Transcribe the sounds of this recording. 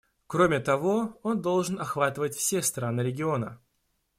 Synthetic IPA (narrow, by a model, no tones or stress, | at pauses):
kɾo̞mʲɪt̪ɐvo̞o̞nd̪o̞lˠʐɨnɐxvat̪ɨvət̚ʲfsʲest̪ɾanɨɾʲɪɡʲɪo̞nə